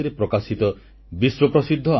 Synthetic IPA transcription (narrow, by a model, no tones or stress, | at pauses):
iɾepɾɔkasit̪ɔ | biswɔpɾɔsid̪ʱːɔ